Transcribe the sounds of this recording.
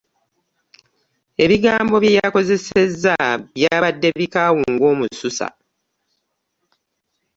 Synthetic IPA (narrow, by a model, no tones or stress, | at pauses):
e̞βiɡaːmbo̞βjejako̞ze̞se̞zːaβjaːβadːe̞βikaːwuŋɡo̞ːmususa̰